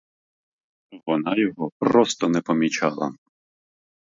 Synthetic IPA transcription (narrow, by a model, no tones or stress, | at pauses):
ʋɔnɑjɔɦɔpɾɔst̪ɔnɛpɔmʲit͡ʃɑlˠɐ̰